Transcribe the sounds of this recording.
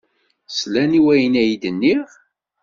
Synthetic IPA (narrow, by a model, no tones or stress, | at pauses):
slæniwæjənæjd̪ənːiʁ